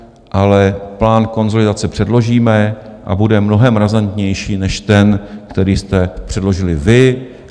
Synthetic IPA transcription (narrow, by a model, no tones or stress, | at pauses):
ʔalɛplaːnko̞nzo̞lɪdat͡sɛpr̥ɛdlo̞ʒiːmɛʔa̰budɛmno̞ɦɛmɾazant̪ɲɛjʃiːnɛʃt̪ɛnkt̪ɛɾiːst̪ɛpr̥ɛdlo̞ʒɪlɪvɪ